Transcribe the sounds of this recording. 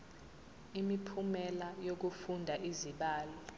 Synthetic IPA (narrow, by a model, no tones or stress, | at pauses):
imipʰumɛlajok̬ufundʱaʔiziɓaːlɔ